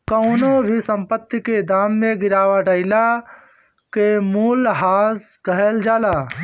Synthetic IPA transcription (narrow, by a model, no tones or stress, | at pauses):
kəʊnõbʱisə̃mpət̪ːiked̪aːmːẽɡɪɾaːʋaɖəɪla | kemuːlɦaːs | ɡɐɦeld͡ʒaːlaː